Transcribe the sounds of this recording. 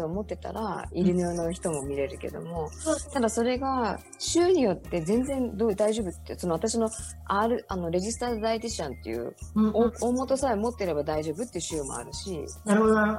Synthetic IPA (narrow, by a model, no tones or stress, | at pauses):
oːmo̞t̪ːe̞t̪a̰ɾa̰iɾɯ̟noːno̞çi̥t̪o̞mo̞mʲiɾe̞ɾɯ̟ke̞̰d̪o̞̰mo̞t̪ad̪aso̞ɾe̞ɡa | ɕɨːɲ̟ijo̞t̪ːe̞zẽ̞nd͡zẽ̞nd̪od̪aiʑo̞ːbɯ̟t̪ːeso̞no̞at̪aɕino̞ | aɾɯ̟ano̞ɾe̞ʑisɨ̥t̪aːd̪ait̪iɕãnt̪ːe̞̰jɯ̰ | omo̞t̪o̞saemo̞t̪ːe̞ɾe̞bad̪aiʑo̞ːbɯ̟t̪ːeiɯ̟ɕɨːmo̞̰a̰ɾɯ̟ɕinaɾɯɦo